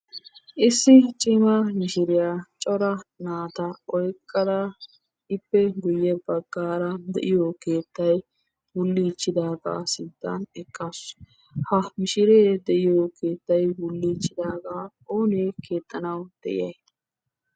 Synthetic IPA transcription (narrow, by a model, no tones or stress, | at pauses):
ʔɪsːɪt͡ʃʼɪmɐmɪʃɪɾɪjat͡ʃʼɔɾɐnaːt̪ɐɔjkʼːɐd̪ɐ | ɪpːɛɡʊjːɛbɐɡːaːɾɐd̪ɛ̰ʔɪjoke̞ːt̪ːɐj | wʊlːiːt͡ʃːɪd̪aːɡa̰ːsɪd̪ːɐ̰nɛkʼːas | hɐmɪʃɪɾeːd̪ɛʔɪjokʰe̞ːt̪ːɐjwʊlːiːt͡ʃːɪd̪aːɡaː | oːneːkʰe̞ːt̪ʼːɐnɐwd̪̥ɛʔɪ̰jɐj